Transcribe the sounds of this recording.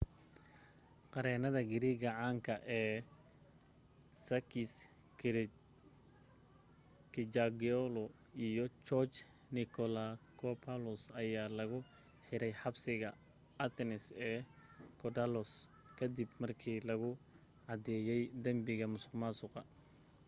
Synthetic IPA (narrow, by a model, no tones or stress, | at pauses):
qɑɾɛːnɐðɐɡɪɾiɣɐʕaːŋkʰɐʔɛː | sɐkɪs | kɪd͡ʒaɡiɔlɔ | ijɔt͡ʃɔt͡ʃ | nɪkʰɔlakʰɔpʰalɔsɐjaːlɐɣʊ | ħɪɾɛjħɑbsɪɣɐ | ɐt̪ʰɛnɪsɛːkʰɔdalɔs | kʰɐd̪ibmɐrkʰiːlɐɣʊ | ʕɑd̪ɛːjɛjd̪ɐmbɪɣɐmʊskmaːsʊqɑ